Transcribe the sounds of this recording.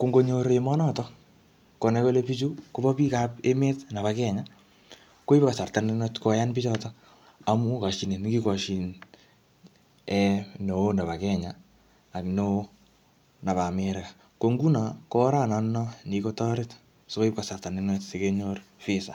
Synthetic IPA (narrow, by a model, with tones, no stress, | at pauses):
ko˨ŋɡo˦ɲo˦ɾemɔ˦nɔtɔ | ko˨nɛ˨ko˦lepi˦t͡ʃu˦ko˦bɔ˦pi˦ka˦pe˦me˦tna˨βakɛ˦ɲa | ko˦i˦pka˨sa˨rta˨nɪ˦nwɛtkɔ˨ja˦npɪ˦t͡ʃɔ˦tɔ | a˨mu˦ka˨ʃi˨ne˨n˦ki˦kɔ˨ʃi˨n | ɛno˨˦na˨ba˨kɛ˦ɲaː˨ | kno˦ | na˨ba˨meɾka | ko˨ŋɡu˦na˨kɔ˦ɾa˦nanɔ˦niko˦tɔɾɪ˦t | so˦ko˦i˦p̚ka˨sa˨rta˨nɪ˦nwɛtse˨keɲorfɪsa̰˨